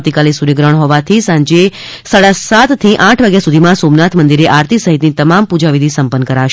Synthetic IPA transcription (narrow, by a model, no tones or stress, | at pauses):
t̪ikalisuɾeɡɾəɳ̃ɦɔʋat̪ʰisãɲd͡ʒe | saɽasat̪t̪ʰːiʔãʈʰʋaɡjasud̪ʱimãsomnat̪ʰmənd̪iɾeʔaɾt̪ʰisəɦit̪nit̪əmampud͡ʒaʋid̪ʱisəmpənːkəɾaʃ